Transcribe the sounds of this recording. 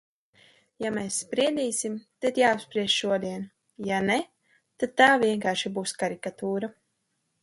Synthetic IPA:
jameːsːpɾiɛd̪ʲiːsimt̪ad̪jaːapspɾiɛʒʃuɔd̪iɛn | jane | t̪ad̪̚t̪ːaːviɛŋkaːɾʃibuːskaɾikat̪uːɾa

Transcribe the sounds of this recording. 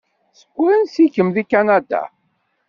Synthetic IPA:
sə̥ɡʷːʊɾənsikːəmðikanad̪a̰

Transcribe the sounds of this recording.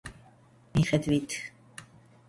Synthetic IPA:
miχɛd̪vit̪ʰ

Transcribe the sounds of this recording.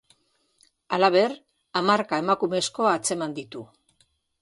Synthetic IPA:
alaβe̞ɾ | amaɾkae̞makume̞sko̞aːt͡se̞mand̪it̪u

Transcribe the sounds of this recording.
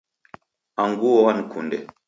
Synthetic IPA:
aŋɡuwowankʰundɛ̰

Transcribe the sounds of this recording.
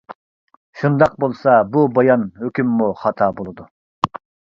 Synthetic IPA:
ʃund̪ɑq̚bolˠsɑbubɑjɑnhøkʲymːuχɑt̪ʰɑːbolˠɨd̪u

